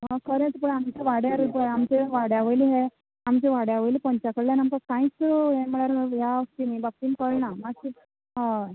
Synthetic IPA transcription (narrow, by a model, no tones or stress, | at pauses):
ɦãkʰəɾẽt͡spəɳamt͡ɕeʋaɽjaɾupɦeamt͡ɕeʋaɽjaʋəliɦe | amt͡ɕeʋaɽjaʋəjlipəɲt͡ɕakəɽlanəmpəkãĩt͡sɦem̤əɭaɾjaʋəst̪inaibak̪̚iːnkəɭɳamaɡki | ɦã